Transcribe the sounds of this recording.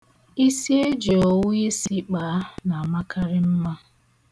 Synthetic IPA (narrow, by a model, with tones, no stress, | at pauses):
i˦si˦e˦d͡ʒe˨o˨wu˦e˦si˦k͡pa˨˦na˨a˨ma˦kʰa˦ɾɪ˦m̩˦ma˦